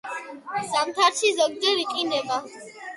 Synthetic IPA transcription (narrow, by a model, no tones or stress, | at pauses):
samt̪ʰaɾt͡ʃʰizɔɡ̚d̪ɛɾiqʼinɛba